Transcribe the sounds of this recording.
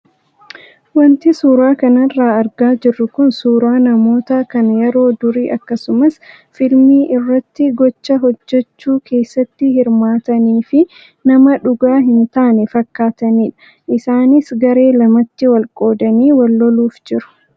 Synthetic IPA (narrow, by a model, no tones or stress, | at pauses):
wɐnt̪ɪsuːɾaːkɐnɐrːaːɐɾɡaːd͡ʒɪrːʊkʊnsuːɾaːnɐmo̞ːt̪ɐkɐnjɛɾo̞ːd̪ʊɾiːʔɐkːɐsʊmɐs | fɪlmiːʔɪrːɐt̪ːɪɡɔt͡ʃːɐɦɔd͡ʒːɛt͡ʃːuːkʰe̞ːsːɐt̪ːɪhɪɾmaːt̪ɐniːfɪ | nɐmɐᶑʊɡaːɦɪnt̪aːnɛfɐkːaːt̪ɐniːᶑɐ̥ | ʔɪsaːnɪsɡɐɾe̞ːlɐmɐt̪ːɪwɐlkʼo̞ːd̪ɐniːwɐlːɔluːfd͡ʒɪɾʊ̥